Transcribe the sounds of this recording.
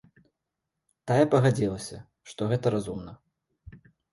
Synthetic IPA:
t̪ajɛpɐɣad͡zʲilˠɐsʲɐ̰ | ʂt̪ɔɣɛt̪ɐɾazumnɐ

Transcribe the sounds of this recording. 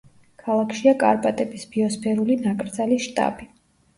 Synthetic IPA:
kʰalˠakʰʃiakʼa̰ɾpʼat̪ʼɛbisbiɔspʰɛɾulinakʼɾd̪zaliʃt̪ʼa̰bi

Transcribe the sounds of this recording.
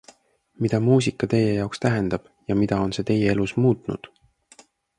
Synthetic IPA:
mid̪̥ɑmuːs̬ikːˑɑt̪e̞je̞jɑokst̪æɦe̞nd̪̥ɑb̥jɑmid̪̥ɑo̞nse̞ːt̪e̞je̞e̞lusmuːt̪nṵd̪̥

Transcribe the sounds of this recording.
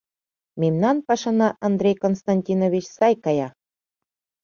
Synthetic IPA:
memnɑnpɑʃɑnɑʔɑnd̪ɾʲejkonst̪ɑnʲtʲinovʲit͡ɕsɑjkɑjɑ

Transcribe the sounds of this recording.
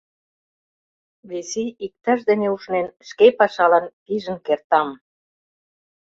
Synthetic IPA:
βesiik̚t̪æʃd̪eneuʃnenʃkepɑʃɑlɑnpiʒə̆nkert̪ɑm

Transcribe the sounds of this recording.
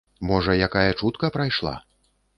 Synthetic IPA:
mɔʐɐjakajɐt͡ʂut̪kɐpɾajʂlˠa̰

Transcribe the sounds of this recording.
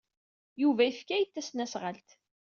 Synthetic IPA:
juvæifkæjət̪ːæsnæsʁəlt̪

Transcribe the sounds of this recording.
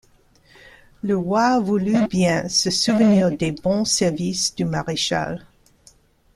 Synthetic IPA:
ləʁwavulybjɛ̃səsuvəniːʁd̪ebɔ̃sɛʁvisd̪̥ymaʁeʃa̰l

